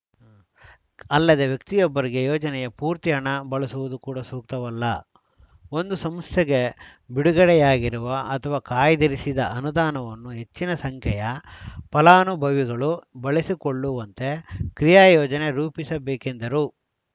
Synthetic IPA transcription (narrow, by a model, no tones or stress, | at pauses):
ɐlːɐd̪e̞ʋjɐk̚t̪ijɔbːɐɾiɡe̞jɔːd͡ʒɐnɛjɐpuːɾt̪ijɐɳɐbɐɭɐsuʋud̪ukuːɽɐsuːk̚t̪ɐʋɐlːɐ | o̞nd̪usɐmst̪ʰeɡe̞biɽuɡɐɽɛjaːɡiɾuʋɐɐt̪ʰɐʋaːkaːjɐd̪ɐɾisid̪ɐɐnud̪aːnɐʋɐnːuɦe̞t͡ʃːinɐsɐŋkʰɛjɐpɐlaːnubʱɐʋiɡɐɭubɐɭisikoɭːuʋɐnt̪e̞kɾijaːjɔːd͡ʒɐne̞ɾuːpisɐbeːkend̪ɐɾu